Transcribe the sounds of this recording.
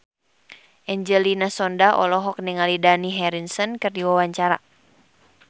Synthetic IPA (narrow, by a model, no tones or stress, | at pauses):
ʔɛɲd͡ʒɛlinasɔndaʔɔ̰lɔɦɔk̚nɛŋalidaniɦɛɾinsɔnkɨrdiwawaɲt͡ʃaɾa̰